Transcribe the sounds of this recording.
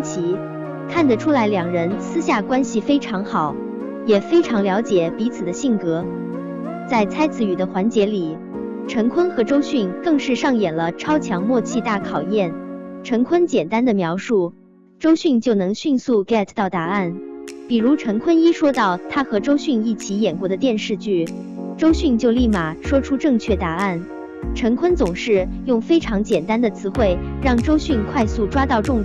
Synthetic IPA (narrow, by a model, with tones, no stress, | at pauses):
t͡ɕʰi˧˥ | kʰa˥˩nd̪ə˩ʈ͡ʂʰu˥la˧˥ɪljɑ˨˩ŋɻə˧˥nsʰɹ̩˥ɕja˥˩kwa˥nɕi˨˩fe˥ɪʈ͡ʂʰɑ˧˥ŋxɑ˨˩˦ʊ | jɛ˨˩fe˥ɪʈ͡ʂʰɑ˧˥ŋljɑ˧˥ʊt͡ɕjɛ˨˩pi˧˥t͡sʰɹ̩˨˩d̪ə˦ɕi˥˩ŋkɤ˧˥ | t͡sa˥˩ɪt͡sʰa˥ɪt͡sʰɹ̩˧˥y˨˩d̪ə˦xwa˧˥nt͡ɕjɛ˧˥li˨˩ | ʈ͡ʂʰɤ˧˥ŋkʰwə˥nxɤ˧˥ʈ͡ʂo˥ʊɕy˥˧nkɤ˥˧ŋʂɻ̩˥˧ʂɑ˥˩ŋjɛ˨˩nlə˦ʈ͡ʂʰɑ˥ʊt͡ɕʰjɑ˧˥ŋmwɔ˥˧t͡ɕʰi˥˧t̪a˥˩kʰɑ˨˩ʊjɛ˥˩nʈ͡ʂʰɤ˧˥ŋkʰwə˥nt͡ɕjɛ˨˩nt̪a˥nd̪ə˨mjɑ˧˥ʊʂu˥˩ | ʈ͡ʂo˥ʊɕy˥˧nt͡ɕjo˥˩ʊnɤ˧˥ŋɕy˥˧nsu˥˩kɛ˥˩t̪ʰt̪ɑ˥˩ʊt̪a˧˥a˥˩npi˨˩ɻu˧˥ʈ͡ʂʰɤ˧˥ŋkʰwə˥ni˥ʂwɔ˥t̪ɑ˥˩ʊt̪ʰa˥xɤ˧˥ʈ͡ʂo˥ʊɕy˥˧ni˥˩t͡ɕʰi˧˥jɛ˨˩nkwɔ˧˥d̪ə˧t̪jɛ˥˧nʂɻ̩˥˧t͡ɕy˥˩ | ʈ͡ʂo˥ʊɕy˥˧nt͡ɕjo˥˧ʊli˥˩ma˨˩ʂwɔ˥ʈ͡ʂʰu˥ʈ͡ʂɤ˥˧ŋt͡ɕʰɥɛ˥˩t̪a˧˥a˥˩n | ʈ͡ʂʰɤ˧˥ŋkʰwə˥nt͡sʊ˨˩ŋʂɻ̩˥˧jʊ˥˩ŋfe˥ɪʈ͡ʂʰɑ˧˥ŋt͡ɕjɛ˨˩nt̪a˥nd̪ə˨t͡sʰɹ̩˥xwe˥˩ɪɻɑ˥˩ŋʈ͡ʂo˥ʊɕy˥˧nkʰwa˥˧ɪsu˥˩ʈ͡ʂwa˥t̪ɑ˥˧ʊʈ͡ʂʊ˥˧ŋ